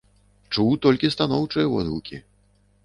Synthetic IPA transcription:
t͡ʂuwt̪ɔlʲkʲist̪anɔwt͡ʂɨjɐvɔd̪ɦukʲi

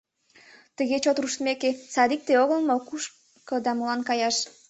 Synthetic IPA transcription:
t̪əɣet͡ɕot̪ruʃt̪meket͡sɑd̪ik̚t̪eoɣəlˠmokuʃ | kɤd̪ɑmolɑnkɑjɑʃ

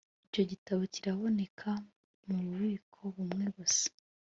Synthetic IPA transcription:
ico̞ɟitaβo̞ciɾaβo̞ne̞kʰa | muɾuβiːkʰo̞βumŋe̞βuse̥

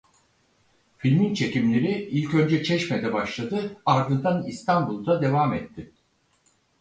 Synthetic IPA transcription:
filʲmint͡ʃʰe̞cimlʲe̞ɾiilʲcø̞nd͡ʒɛt͡ʃʰɛʃmɛd̪ɛbaʃlˠad̪ɯaɾd̪ɯnd̪anist̪ʰanbulˠd̪ad̪e̞vaːmɛt̪ʰːɪ

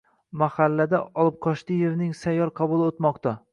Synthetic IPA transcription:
mahalːad̪aɒlˠɪp̚qʰɒʃt̪ɪjeɾnɪŋsajːɒɾqʰɑbʊlˠot̪mɒqt̪a

